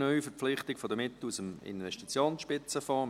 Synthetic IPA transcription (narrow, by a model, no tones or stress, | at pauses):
nœʏfəɾp͡fflɪχtɪkfodəmɪt̪ːl̩usəmɪ̰nvɛʃtit͡sjoːnsʃpɪt͡səfɑː